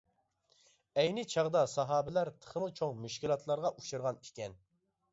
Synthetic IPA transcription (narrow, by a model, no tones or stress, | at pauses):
ɛjnɪt͡ʃʰɑʁd̪ɑsɑɦɑːbɪlæɾt̪ʰə̥χəmɨt͡ʃʰoŋmyʃkʲilˠɑt̪ʰlˠɑɾʁɑʔuʃɨɾʁɑnikʲɛn